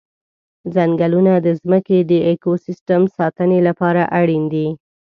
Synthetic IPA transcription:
zaŋɡalunad̪əzməked̪əekosɪsʈəmsɑt̪ənelapɑɾaʔaɽind̪i

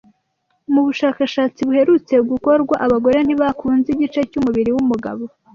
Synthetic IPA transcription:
muβuʃaːkaʃaːt͡siβuhe̞ɾut͡se̞uɡuko̞ɾɡwaʔaβaɡo̞ɾe̞n̥iβakʰuːnziɟit͡ʃecumuβiɾiwumuɡa̰βo̞

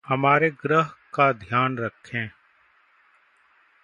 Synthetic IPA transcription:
həmaːɾeɡɾəɦkad̪ʱjaːnɾəkʰːẽː

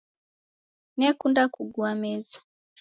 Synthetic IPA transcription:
nɛkundakuɡuamɛza

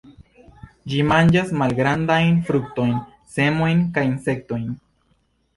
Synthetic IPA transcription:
d͡ʒimand͡ʒasmalɡɾand̪ajnfɾuk̚t̪o̞jn | se̞mo̞jnkajinse̞k̚t̪o̞jn

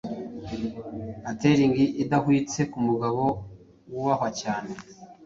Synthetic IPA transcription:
ate̞ɾiŋɡiʔidahwiːt͡se̞kumuɡaβo̞ | wuβaɦwacaːne̞

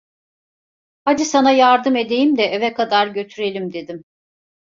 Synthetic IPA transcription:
had̪isanajaɾd̪ɯme̞d̪e̞jimd̪ɛʔevɛkʰad̪aɾɟø̞t̪ʰyɾe̞lʲimd̪e̞d̪im

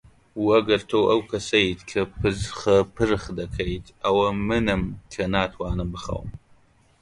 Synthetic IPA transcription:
wɐɡɐrtʰowʔɐwkʰɐsɐjtʰkʰɐpʰɨzχɐpʰɨrɨχdɐkʰɐjtʰaːwɐmɨnɐmɬʰɐnaːtʰwaːnɐbɨχɐ̰w̰m

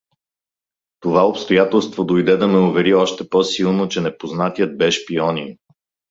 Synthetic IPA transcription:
t̪ovaopst̪ojat̪ɛlˠst̪vod̪ojd̪ɛd̪ɐmɛʊvɛɾiɔʃt̪ɛpɔsilˠnot͡ʃɛnɛpoznat̪ijət̪̚bɛʃpiɔnin

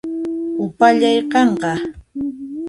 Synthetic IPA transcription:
ʊpaʎɑjqɑɴqɑ

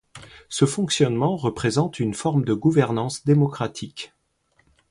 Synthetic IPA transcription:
səfɔ̃ksjɔnmɑ̃ʁəpχezɑ̃t̪ynfɔʁmd̪əɡuvɛʁnɑ̃sd̪emɔkχat̪ʰik

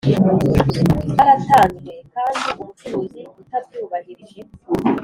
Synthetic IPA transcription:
aɾataːnzwekaːndiʔumutimizeɡutabɟuːβahiɾiʒe

